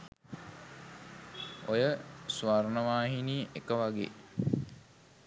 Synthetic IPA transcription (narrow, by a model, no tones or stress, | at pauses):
ojəsʋaɾnəʋaːɦiniːʔekəʋaɡḛː